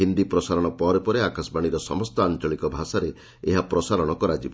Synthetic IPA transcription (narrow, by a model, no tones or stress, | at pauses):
ɦind̪ipɾɔsaɾɔɽ̃ɔpɔɾepɔɾeakasbaɽ̃iɾɔsɔ̰mɔst̪ɔant͡ʃɔɭikɔbʱasaɾe | eɦapɾɔsaɾɔɽ̃ɔkɔɾad͡ʒibɔ